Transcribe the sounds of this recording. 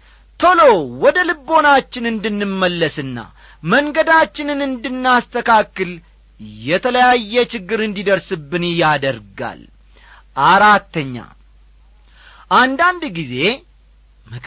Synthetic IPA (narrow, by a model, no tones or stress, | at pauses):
t̪ʰolo̞wɔd̪əlɨbːo̞nat͡ʃːɪnɨnd̪ɨnːɨmːəlːəsɨnːa̰ | məŋɡəd̪at͡ʃːɪnɨnɨnd̪ɨnːast̪ʰəkʰakːɨl | jɛt̪ʰələjajːɛt͡ʃɪɡːɨɾɨnd̪id̪əɾsɨbːɨnjad̪əɾɡa̰l | ʔaɾat̪ːəɲːa̰ | ʔand̪and̪ɡize̞ | mə